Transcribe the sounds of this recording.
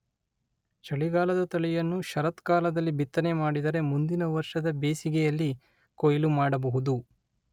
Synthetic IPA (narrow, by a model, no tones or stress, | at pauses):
t͡ʃɐɭiɡaːlɐd̪ɐt̪ɐɭijɐnːuʃɐɾɐt̪kaːlɐd̪ɐlːibit̪ːɐne̞maːɽid̪ɐɾe̞mund̪inɐʋɐɾʂɐd̪ɐbeːsiɡɛjɐlːi | kojɐlumaːɽɐbɐɦud̪u